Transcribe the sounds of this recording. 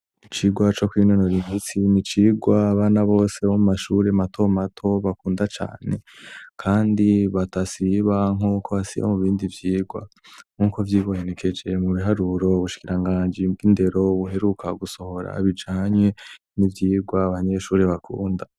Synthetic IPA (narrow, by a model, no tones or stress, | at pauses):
it͡ʃiɡwat͡ʃo̞kwinonoɾimisinit͡ʃiɡwaβanaβo̞ːse̞βomumaʃuɾematʰo̞matʰo̞βakuːndat͡ʃa̰ːne̞kʰaːndiβatasiβaŋ̥ukʰo̞βasḭβa̰muβiːndivjiːɡwa̰ | ŋ̥uːko̞vjiːβoene̞kʰe̞d͡ʒe̞muβiɦaɾuɾo̞uβuʃi̥kiɾaŋɡaːnd͡ʒiinde̞ɾo̞βuɦe̞ɾukʰaɡuso̞ho̞ɾa̰βid͡ʒaːɲwe̞ | nivjiːɡwaːβaɲe̞ʃuːɾe̞βakṵːnda